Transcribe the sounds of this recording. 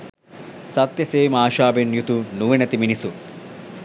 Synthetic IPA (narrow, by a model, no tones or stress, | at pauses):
sɐt̪ːjɐseːmaːʃaːbenjut̪unuʋenɐt̪iminisu